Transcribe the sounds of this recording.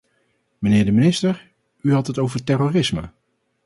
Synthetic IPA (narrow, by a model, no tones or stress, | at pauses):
mənɪːɹdəminɪstəɹ | yɦɑtɦətowvəɹtɛroːrɪsmə̰